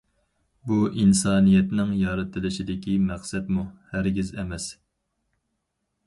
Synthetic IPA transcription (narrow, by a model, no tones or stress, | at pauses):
buʔinsɑːnijɛt̪nɪŋjɑɾɨt̪ʰːɨlɪʃid̪ɪkʲʰimæχsɛt̪muhæɾɡʲizɛmɛs